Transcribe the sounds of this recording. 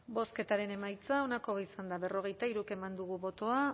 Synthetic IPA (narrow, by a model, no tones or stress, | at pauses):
bo̞ske̞t̪aɾe̞ne̞majt͡sao̞nako̞βisand̪aβe̞ro̞ɣ̞e̞jt̪aiɾuke̞mand̪uɣ̞uβo̞t̪o̞a